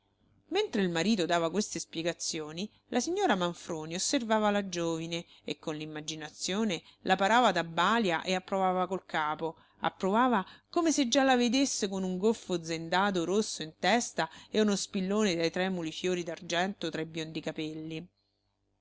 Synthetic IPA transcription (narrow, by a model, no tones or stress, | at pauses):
ment̪ɾeilmaɾiːt̪od̪aːvakwest̪espjeɡat̪sːjoːni | lasiɲːoːɾamaɱfɾoːniosːervaːvalad͡ʒoːvine | ḛkːonlimːad͡ʒinat̪sjoːnelʔapaɾaːvad̪abːaːljaʔeapːɾovaːvakolkʰaːpo | a̰pːɾovaːvakomesed͡ʒːalaved̪esːekonuŋɡolfod̪zend̪aːt̪oɾosːoint̪ɛst̪aeunospilːoːned̪ajt̪ɾɛmːulifjoːɾid̪ard͡ʒɛnt̪ot̪ɾaibjond̪ikapɛlːi